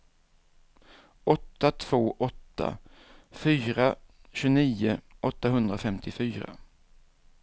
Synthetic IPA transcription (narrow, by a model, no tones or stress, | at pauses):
ʔɔt̪ːat̪ʰv̥oːʔɔt̪ʰːa̰fyːɾa | ɕɵniːʊʔɔt̪ːaɦɵnd̪ɾafɛmt̪ʰɪfyːɾa̰